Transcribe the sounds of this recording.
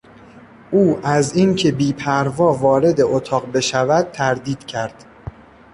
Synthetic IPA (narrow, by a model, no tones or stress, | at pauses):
ʔuːʔæzincʰe̞biːpʰæɾvɒːvɒːɾe̞d̪e̞ʔot̪ʰɒːɢbe̞ʃævæd̪̚t̪ʰæɾd̪iːd̪̥cʰæɾd̪̥